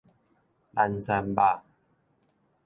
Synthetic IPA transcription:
la˧nsa˧mba˧

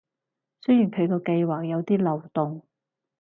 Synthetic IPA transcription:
sɵ˥jiː˨˩nkʰɵ˨˧ɥkɔː˧kɐ˧jwaː˨k̚jɐ˨˧wt̪iː˥lɐ˨wt̪ʊ˨ŋ

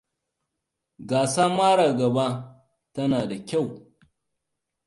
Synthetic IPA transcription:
ɡaː˨saː˦maː˦ɽaː˨ɡɐ˨ba˦ | tɐ˦naː˨da˨kʲa˦˨w

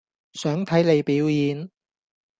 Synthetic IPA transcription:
sœː˨˥ŋt̪ʰɐ˨˥jle˨˧jpiː˨˥wjiː˨˧n

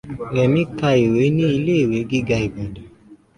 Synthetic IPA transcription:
ɾɛ˨mĩ˨˦ka˧i˨we˨˦nĩ˦i˧le˦i˨we˨˦ɡi˦ɡa˧i˨ba˨da˨˦

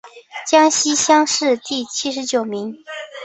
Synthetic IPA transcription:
t͡ɕjɑ˥ŋɕi˥ɕjɑ˥ŋʂɻ̩˥˧t̪i˥˩t͡ɕʰi˥ʂɻ̩˧˥t͡ɕjo˨˩ʊmi˧˥ŋ

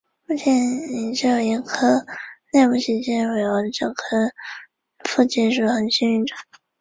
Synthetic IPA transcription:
mu˥˩t͡ɕʰjɛ˧˥nni˨˩t͡ɕo˥˩jɛ˧˥ŋkʰɤ˥ne˥˧ɪpu˥˩ɕi˧˥˩ɕɛ˥n˧we˨˩ə˧˥˨ʈ͡ʂɤ˥˩kʰɤ˥ | fu˥˧t͡ɕi˥˧nʂɻ̩˥˩xə˨˩nɕi˥ny˥˩ʈ͡ʂə̥˨˩˦

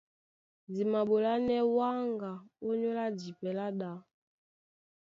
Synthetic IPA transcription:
zi˨ma˨ɓo˨la˦nɛ˦wa˦ŋɡa˨ɔ˦ɲɔ˦la˦di˨pɛ˨la˦ɗa˨˦

